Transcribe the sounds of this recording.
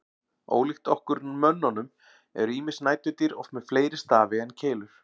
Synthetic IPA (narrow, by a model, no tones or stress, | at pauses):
o̰ːwlixt̪ɔhkʏɾnmœnːɔnʏm | ɛ̰ɾiːmɪ̥snaːjt̪ʏt̪iɾɔfmɛðfleːjɾɪst̪aːvɪɛnːcʰeːjlʏɾ̥